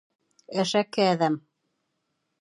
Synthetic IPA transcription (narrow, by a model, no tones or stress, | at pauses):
ɘʃækːɘːðæm